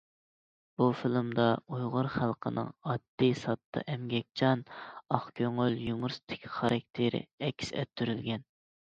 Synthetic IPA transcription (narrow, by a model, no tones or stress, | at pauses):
b̥ufɪlˠmd̪ɑujʁʊɾχælˠqʰənɨ̰ŋɑd̪̥ːisɑt̪ʰːɑ̰ʔɛmɡʲɛk̚ʲt͡ʃʰɑnɑχkʲʰøŋøljumuɾsɨ̥t̪ʰɪ̥kʲʰχɑɾʔɑk̚ʲt̪ʰeɾɪ̰ɛkʲʰːsɛ̰t̪ʰːyɾylɡʲɛn